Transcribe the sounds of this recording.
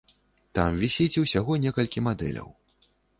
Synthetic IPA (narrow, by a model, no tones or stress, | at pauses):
t̪amvʲisʲit͡sʲiwsʲaɣɔnʲɛkɐlʲkʲimad̪ɛ̰lʲɐ̰w